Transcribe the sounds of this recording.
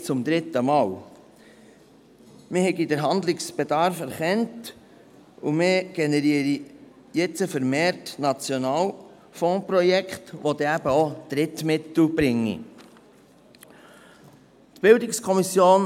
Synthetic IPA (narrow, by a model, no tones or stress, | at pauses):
t͡sʊmd̪ɾɪt̪əmɑːl | mɪhɛɡidəɾɦɑnd̪lɪksb̥ed̪ɑɾfæɾχɛnt | umɪɡ̥ɛnɛɾiːɾi | jɛt͡səfəɾmeːɾtnɑt͡sjonɑːl | fɔ̃ːprɔjɛkχtʋod̪ɛæb̥əod̪̥ɾɪt̪mɪt̪l̩b̥ɾɪŋːḭ | t̪b̥ɪldɪkskʰɔmisjoːn